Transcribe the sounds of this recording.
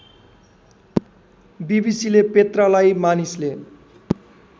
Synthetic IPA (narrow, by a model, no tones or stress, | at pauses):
bibisilepet̪ralajmanisle